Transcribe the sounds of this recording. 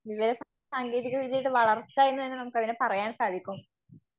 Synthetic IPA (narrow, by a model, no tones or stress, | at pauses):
ʋiʋɐɾɐs | saːŋɡe̞ːðiɣɐʋiðijeʈːɨʋɐɭɐrt͡ɕːaːjenːuenːɨnɐmukːɐðinepɐrɐjaːnsaːd̪ʱikʲːum